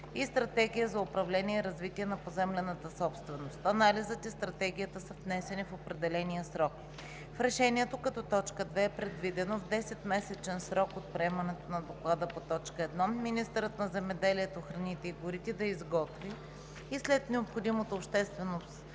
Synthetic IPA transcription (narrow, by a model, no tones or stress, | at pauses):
ist̪ɾɐt̪ɛɡ̟ʲijəzɐʊpɾɐvlɛniɛiɾɐzvit̪iɛnɐpozɛmlɛnət̪əsɔpst̪vɛnost̪ɐnalizətɛst̪ɾɐt̪ɛɡ̟ʲijət̪əsəvnɛsɛnifopɾɛd̪ɛlɛnijəsɾɔk | fɾɛʃɛnʲiɛt̪okɐt̪ɔt̪ɔt͡ʃkəd̪vɛːpɾɛd̪vid̪ɛnovd̪ɛsɛt̪mɛsɛt͡ʃɛnsɾɔkot̪̚pɾɛɛmɐnɛt̪onɐd̪oklˠad̪əpot̪ɔt͡ʃkəɛd̪nɔminist̪ɛɾət̪nɐzɛmɛd̪ɛliɛt̪oxɾɐnit̪ɛiɡʊɾit̪id̪ɐizɡɔt̪viː | slɛt̪nɛopxod̪imot̪oːpʃt̪ɛst̪vɛno